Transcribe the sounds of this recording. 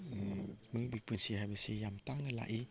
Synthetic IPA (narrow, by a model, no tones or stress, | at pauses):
məbik̚punsiɦabisijamt̪aŋnəla̰ʔi